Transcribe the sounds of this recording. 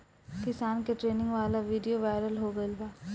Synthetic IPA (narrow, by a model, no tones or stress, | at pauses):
kɪsaːnkeʈɾeːnɪ̃ŋɡʋaːlaʋiːɖijoʋaːɪɾəlɦoɡɐilbaː